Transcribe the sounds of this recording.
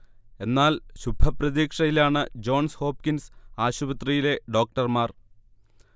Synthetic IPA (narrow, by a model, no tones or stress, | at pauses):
e̞nːaːlɕubʱɐprɐðiːkʂɐjilaːɳɨd͡ʑo̞ːɳsho̞ːp̚kinsaːɕubɐt̪rijile̞ɖo̞ːk̚ʈɐrmaːr